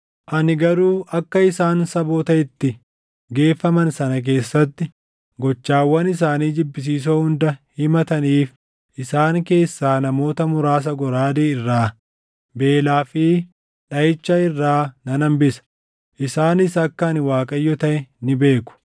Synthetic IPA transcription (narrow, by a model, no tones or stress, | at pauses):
ʔɐnɪɡɐɾuːʔɐkːɐɪsaːnsɐbo̞ːt̪ɐɪt̪ːɪ | ɡe̞ːfːɐmɐnsɐnɐk̬e̞ːsːɐt̪ːɪ | ɡɔt͡ʃːaːwːɐnɪs̬aːniːd͡ʒɪbːɪs̬iːs̬oːhʊnd̪ɐhɪmɐt̪ɐniːf | ʔɪsaːŋke̞ːsːaːnɐmo̞ːt̪ɐmʊɾaːs̬ɐɡɔɾaːd̪eːɪrːaː | be̞ːlaːfɪ | ᶑɐɪt͡ʃːaɪrːaːnɐnɐmbɪsɐ̥ | ʔɪsaːnɪsɐkːɐːnɪwaːkʼɐjːɔt̪ɐʔɛnɪbe̞ːkʊ̥